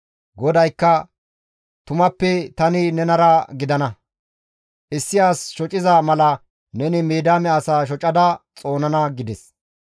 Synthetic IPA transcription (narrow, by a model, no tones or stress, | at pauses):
ɡɔd̪ɐjkːɐ | t̪ʊmɐpːɛt̪ɐnɪnɛnɐɾɐɡɪd̪ɐnɐ | ʔɪsːɪjaːsʃɔt͡ʃʼɪzamɐlɐ | nɛnɪmeːd̪aːmɛɐsaːʃ̬ɔt͡ʃʼɐd̪ɐt͡sʼo̞ːnɐnɐɡɪd̪ɛs